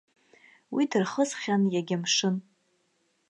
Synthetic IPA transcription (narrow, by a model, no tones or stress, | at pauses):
widɨrχəzχʲanjaɡʲɪmʂɨn